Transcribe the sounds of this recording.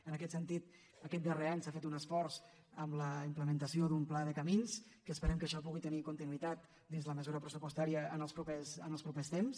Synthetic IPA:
ənəkɛt̪sənt̪it̪ | əkɛt̪̚d̪əreaɲsafet̪unəsfɔɾz | əmləimpləmənt̪əsioðumplaðəkəminskəːspəɾɛmkəʃɔp̬uɣit̪ənikunt̪inuit̪at̪̚ | d̪inzləməzuɾəpɾəsupust̪aɾiəənəlˠpɾupɛsənəlˠpɾupest̪ems

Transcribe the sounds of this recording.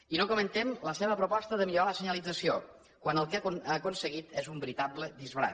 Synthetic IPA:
inokomənt̪ɛmləsɛβəpɾopɔst̪əðəmiʎoɾaləsəɲəlid͡zəsio | kwanəlˠkeakonsəɣit̪ɛzumbəɾit̪abləðizβɾa̰

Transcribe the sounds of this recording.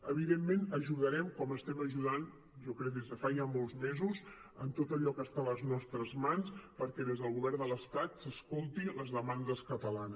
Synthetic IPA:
əβ̞iðemːenəʒuðəɾɛmkɔməst̪ɛməʒuðan | ʒɔkɾɛk̚d̪ezðəfaʒamolˠzmezuz | ə̰nt̪ot̪əʎɔkəst̪aləznɔst̪ɾəzmanspəɾkɛðezðəlˠɣuβɛrnd̪ələst̪at̪səskolˠt̪iləzðəmand̪əskət̪əlanə

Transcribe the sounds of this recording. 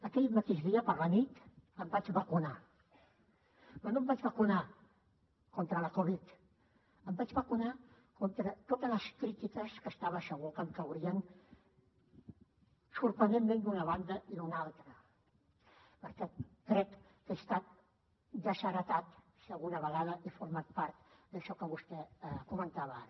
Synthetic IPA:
ak̪ejmat̪isðiaparanit̪ampat͡ʃβakuna | manombat͡ʃβakuna | kont̪ɾalakoβit̪ | ambat͡ʃβakuna | kont̪ɾat̪ot̪alaskɾit̪it̪askast̪aβaʃaɣukankawɾian | suɾpɾənd̪emmẽnd̪unəβand̪əʔiðunalˠt̪ɾə | pəɾt̪at̪̚kɾɛk | kest̪at̪̚ | ʒasəɾət̪at̪ | sialɣunəβəɣ̞að̞əʔifuɾmat̪̚paɾt̪d̪əʃɔkəβust̪ɛkumənt̪aβə

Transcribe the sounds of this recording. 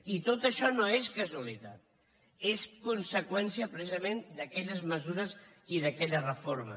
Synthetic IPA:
it̪ot̪əʃɔnoeskəzuəlit̪at̪̚ | eskunsəkwɛnsiəpɾəsizəmend̪əkɛʎəzməzuɾəz | iðəkɛʎərəfoɾmə̰

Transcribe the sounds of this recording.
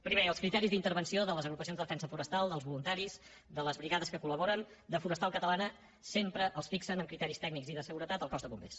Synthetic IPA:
pɾimeəlskɾit̪ɛɾizðint̪əɾβənsioðələzəɣɾupəsionzðəðəfɛnsəfuɾəst̪alˠd̪əlˠzβulunt̪aɾiz | d̪ələzβɾiɣaðəskəkuləβ̞ɔɾən | d̪əfuɾəst̪alˠkət̪əlanə | sempɾəʔəlˠsfiksənəmkɾit̪ɛɾist̪ɛɡnikziðəsəɣuɾət̪at̪əlˠkɔzd̪əβumbḛs

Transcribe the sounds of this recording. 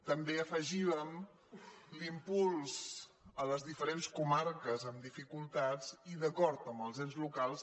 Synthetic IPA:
t̪əmbeəfəʒiβəm | limpulˠz̥ələzðifəɾenskumarkəzəmd̪ifikulˠt̪at͡siðəkɔɾt̪əmbəlˠzɛnzlukalˠs

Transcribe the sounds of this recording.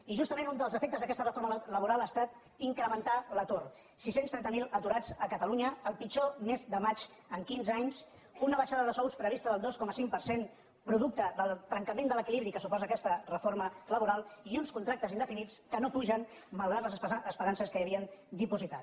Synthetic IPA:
iʒust̪əmenund̪əlˠzəfek̚t̪əzðəkɛst̪ərəfoɾmələβuɾalˠast̪at̪ | iŋkɾəmənt̪alət̪or | sisenst̪ɾɛnt̪əmilˠət̪uɾad͡zəkət̪əluɲəːlˠpit͡ʃomezd̪əmat͡ʃəŋkinzaɲs | unəβəʃaðəðəsɔwspɾəβ̞ist̪əðəlˠd̪oskɔməsiŋ̚pəɾsen | pɾuðuk̚t̪əðəlˠt̪ɾəŋkəmend̪ələkiliβɾikəsupɔzəːkɛst̪ərəfoɾmələβuɾalˠiunskunt̪ɾak̚t̪əzind̪əfinitt͡skənopuʒən | məlˠɣɾat̪ləzəəspəɾansəskəjəβ̞iənd̪ipuzit̪at̪

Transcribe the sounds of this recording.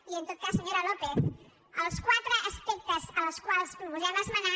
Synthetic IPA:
iənt̪ot̪̚kasəɲoɾalopeθ | əlˠskwat̪ɾəʔəspek̚t̪əzələskwalˠspɾupuzɛməzməna

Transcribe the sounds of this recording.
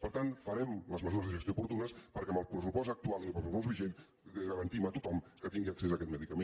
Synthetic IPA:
pəɾt̪anfəɾɛmləzməzuɾəzðəʒəst̪joupuɾt̪unəspəɾkɛəməlˠpɾəsupɔsək̚t̪ualˠiompəlzzɔzβiʒen | ɣəɾənt̪imət̪ut̪ɔmkət̪iŋɡiəɐksezəkɛt̪məðikəmen

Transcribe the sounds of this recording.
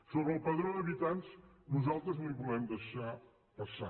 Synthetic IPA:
soβɾɐlˠpɐðɾõd̪ɐβit̪ãnt̪s | nuzalˠt̪ɾuznõĩpuðɛmd̪ɐjʃa | pɐsa̰

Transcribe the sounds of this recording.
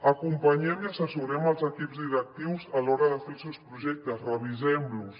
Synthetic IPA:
əkumpəɲɛmiəsəsuɾɛməlˠzəkipzd̪iɾək̚t̪iwzəlɔɾəðəfelˠsɛwspɾuʒɛk̚t̪əzrəβ̞izɛmlus

